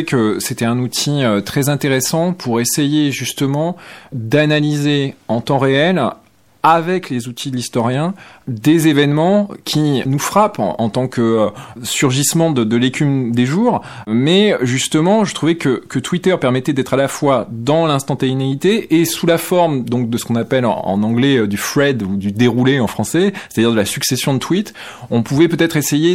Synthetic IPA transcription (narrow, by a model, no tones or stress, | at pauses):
ɛkəset̪ɛɛ̃nut̪ʰiøt̪χɛzɛ̃t̪eʁesɑ̃pʰuʁesejeʒyst̪əmɑ̃d̪analizeɑ̃t̪ɑ̃ʁeɛl | avɛklezut̪ʰid̪əlist̪ɔʁjɛ̃d̪ezevɛnmɑ̃kʲʰinufχapɑ̰̃t̪ɑ̃kəøsyʁʒismɑ̃d̪əd̪əlekʲymd̪eʒuːʁ | mɛʒyst̪əmɑ̃ʒət̪χuvɛkəkət̪wit̪œʁpɛʁmɛt̪ɛd̪ɛt̪χalafwad̪ɑ̃lɛ̃st̪ɑ̃t̪ainait̪eʔesulafɔʁmd̪ɔ̃k̚d̪əsə̥kɔ̃napɛl̰ɑ̰̃nɑ̃ɡlɛd̪yflɛd̪ud̪yd̪eʁuleɑ̃fχɑ̃sɛse̥t̪ad̪ʲiʁd̪əlasyksesjɔ̃d̪ət̪wit̪ | ɔ̃puvɛpøt̪ɛt̪χeseje